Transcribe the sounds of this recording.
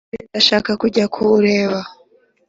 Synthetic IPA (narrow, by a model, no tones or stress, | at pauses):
eaʃaːkakuɟakʰuɾe̞ːβa